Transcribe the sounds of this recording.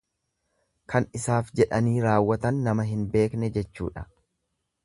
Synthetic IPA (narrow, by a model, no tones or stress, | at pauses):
kʰɐnɪsaːfd͡ʒɛᶑɐniːɾaːwːɐt̪ɐnːɐmɐɦɪnbe̞ːknɛd͡ʒɛt͡ʃːṵːᶑɐ̥